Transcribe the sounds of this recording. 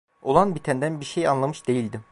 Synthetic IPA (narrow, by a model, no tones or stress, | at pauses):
o̞lˠanbit̪ʰænd̪ænbiɾʃejanlˠamɯʃd̪̥e̞jilʲd̪ɪ